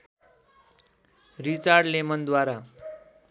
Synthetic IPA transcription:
ɾit͡saɾɖlemənd̪waɾa

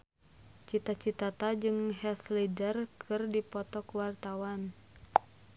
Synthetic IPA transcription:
t͡ʃit̪at͡ʃit̪at̪ad͡ʒɨŋhɛt̪lidərkʰɨrdipɔt̪ɔkuwart̪awan

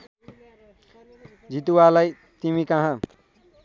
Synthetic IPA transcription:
d͡zit̪uwalaj | t̪imikʌɦã

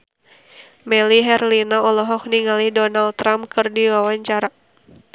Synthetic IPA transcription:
mɛliɦɛrlinaɔlɔɦɔk̚niŋalihdɔnalt̪ɾamkɨrdiwawaɲt͡ʃaɾa

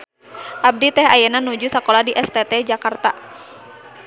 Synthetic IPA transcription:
ʔab̚dit̪ɛhajɛnanud͡ʒusakolahdiʔɛst̪ɛt̪ɛd͡ʒakart̪a

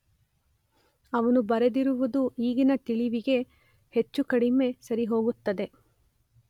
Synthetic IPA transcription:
ɐʋɐnubɐɾed̪iɾuʋud̪uiːɡinɐt̪iɭiʋiɡe̞ | het͡ʃːukɐɽime̞sɐɾiɦo̞ːɡut̪ːɐd̪e̞

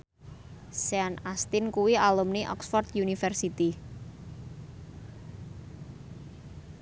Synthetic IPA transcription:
sɛanast̪inkuwialumniʔɔ̰ksfɔrt̪junifɛrsit̪i

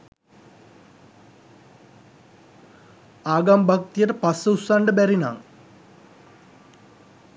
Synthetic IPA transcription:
aːɡambʱak̚t̪ijeʈəpɐsɐusaɳɖəbɛɾina̰ːŋ

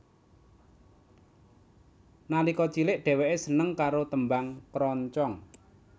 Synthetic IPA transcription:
nalikɔt͡ʃilɪʔɖ̥ɛ̤wɛʔesənəŋkaɾot̪əmbaŋkɾɔɲt͡ʃɔŋ

